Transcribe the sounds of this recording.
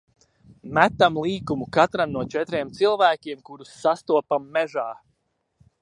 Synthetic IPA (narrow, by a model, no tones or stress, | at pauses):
mæt̪ːamlˠiːkumukat̪ɾamnuɔt͡ʃɛt̪ɾiɛmt̪silˠvæːkʲiɛmkuɾusːast̪uɔpamːɛʒaː